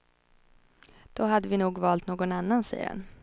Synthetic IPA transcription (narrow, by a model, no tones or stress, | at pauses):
d̪̥ɔɦad̪ːəvɪnuːɡvɑːlt̪noːɡɔnanːansɛ̰jə̰ɾha̰n